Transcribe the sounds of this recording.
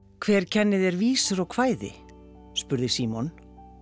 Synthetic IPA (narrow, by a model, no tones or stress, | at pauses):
kʰvɛːɾ̥cʰɛnːɪðɛɾviːsʏɾɔwkʰvaːjðɪ̰ | spʏɾðɪsiːmɔn